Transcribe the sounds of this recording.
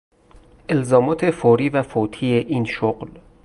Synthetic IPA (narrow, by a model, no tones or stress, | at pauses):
ʔe̞lzɒːmɒːt̪ʰe̞foːɾiːvæfot̪ʰiːjeʔiːnʃoɢl